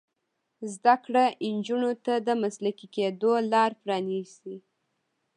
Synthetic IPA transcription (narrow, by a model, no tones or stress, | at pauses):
zd̪akɽaʔɪnd͡ʒunot̪ad̪əmaslakiked̪olɑɾpɾɑnisi